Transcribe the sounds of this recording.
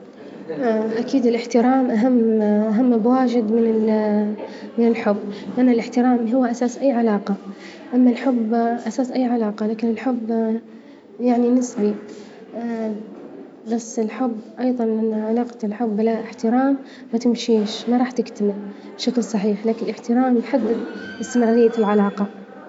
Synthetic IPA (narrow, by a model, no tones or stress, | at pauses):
ʔakiːd̪ɪlʔɪħt̪ɪɾaːmʔaɦamːʔaɦamːbwaːd͡ʒɪd̪mɪnɪ | mɪnɪlħʊbːɪʔanːalʔɪħt̪ɪɾaːmɦʊwːʔasaːsʔajːʕalaːqɑ | ʔamːalħʊbːʔasaːsʔajːʕalaːqɑlaːkɪnɪlħʊbː | jaʕninɪsbi | basːɪlħʊbːʔɑjðˤɑnʔanːaʕalɑːqt̪ɪlħʊbːlaʔɪħt̪ɪɾaːmː | at̪ɪmʃiːʃmaɾˤɑːħt̪ɪkt̪amɪl | bʃaklsˤɑħiːħlaːkɪnɪlɪħt̪ɪɾaːmjħad̪ːɪd̪ʔɪst̪ɪmɾˤɑːɾɪjːalʕalaːqɑ